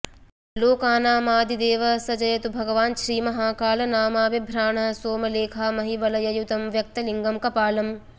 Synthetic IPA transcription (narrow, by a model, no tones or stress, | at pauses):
loːkaːnaːmaːd̪id̪eːʋɐsɐd͡ʒɐjɐt̪ubʱɐɡɐʋaːnʃɾiːmɐɦaːkaːlɐnaːmaːʋɐbʱɾaːɳɐɦɐsoːmɐleːkʰamɐɦiʋɐlɐjɐjut̪ɐmʋjɐk̚t̪ɐliŋɡɐmkɐpaːlɐm